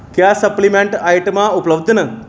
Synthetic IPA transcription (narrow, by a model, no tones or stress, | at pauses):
kjasəplimẽɳʈajʈmãupləbd̪ʱnə